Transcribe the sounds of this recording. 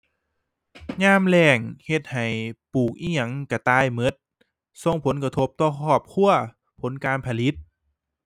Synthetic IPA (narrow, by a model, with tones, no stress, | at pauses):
ɲaː˧˥˨mlɛː˧˩ŋhe˧t̪̚ha˨˩jpuː˨˩k̚ʔiː˧˥˩ɲa˧˩ŋka˧˩t̪aː˧˨jmɤ˧˦˥t̪̚ | so˧ŋpʰo˨˩˦nka˧t̪ʰo˦˥p̚t̪ɔː˧˩kʰɔː˧˩p̚kʰu˧˨ɐ | pʰo˨˦nkaː˧npʰa˧li˦˥t̪̚